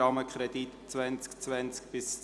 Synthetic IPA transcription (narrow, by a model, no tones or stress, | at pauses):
ɑməkχɾɛd̥̪itt͡svænt͡skt͡svɛnt͡skb̥ɪs